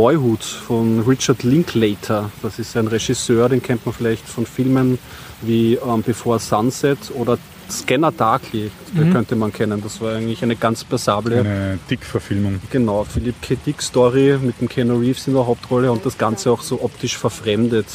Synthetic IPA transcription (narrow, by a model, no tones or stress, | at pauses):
vɔʏɦuːtfɔnʁɪt͡ʃɐtlɪŋkʰleːtʰɐd̥asɪstæɪnʁɛʃɪsøːɐɾeːnkʰɛntmanfɪlæɪçtfɔnfɪlmən | viːɛmb̥ɪfoːɐsansɛtʰoːɾɐ | skɛnɐd̥aːkʰliktd̥ekʰœntəmankʰɛnənd̥asv̥aːɐæɪɡəntlɪçæɪnəɡ̥ant͡spɛɐzaːbləəd̥ɪkfɛɐfɪlmʊŋɡ̥ənaʊfɪlipkʰedikstɔʁimɪt̚d̥emkʰɛnoʁiːfsɪndɛɐɦaʊp̚tʁɔləʊ̃nt̚d̥asɡ̥ant͡səaʊxsoːʔɔptɪʃfɛɐfʁɛmdət